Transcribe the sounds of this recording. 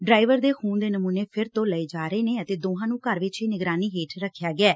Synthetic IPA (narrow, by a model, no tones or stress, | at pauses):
ɖɾaːɪʋəɾd̪eːxuːnd̪eːnəmuːneːpʰɪɾt̪õːləeːd͡ʒaːɾəeːneːət̪eːd̪oːɦãːnũːkəɾʋɪt͡ʃiːnɪɡɾaːniːɦeːʈʰɾəkʰːjaːɡɪɛː